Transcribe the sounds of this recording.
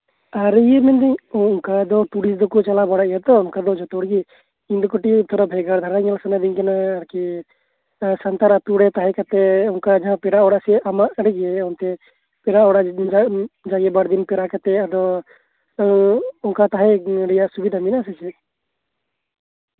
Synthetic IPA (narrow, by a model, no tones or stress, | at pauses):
aɾijɛmɛnd̪iɲːŋkad̪ɔt̪uɽisd̪ɔkɔt͡ʃalabaɽaʔijat̪ɔʊŋkad̪ɔd͡ʒɔt̪ɔɽɡɛ | iɲd̪ɔkɔʈit̪ʰɔɾabʱɛɡaɾd̪ʱaɾaiɲalasanad̪iɲkɛnaːɾki | sant̪aɾat̪uɽɛt̪aɦɛkat̪ɛɔŋkad͡ʒaɦãpɛɾaʔɔɽaʔsɛamaʔɽɛɡɛɔnt̪ɛ | pɛɾaɔɽaʔd͡ʒd͡ʒaɡɛbaɽd̪inpɛɾaʔkat̪ɛad̪ɔ | ɔŋkat̪aɦɛɖɛjaʔsubid̪ʱaminasɛt͡ʃɛ